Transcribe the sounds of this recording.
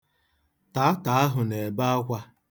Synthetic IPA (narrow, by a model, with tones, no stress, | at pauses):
ta˨˦ta˨a˦ɦʊ˨ne˨ba˦a˦kʷa˦